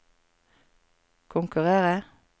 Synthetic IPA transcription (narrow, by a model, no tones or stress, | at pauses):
kʰʊŋkʉʁeːʁə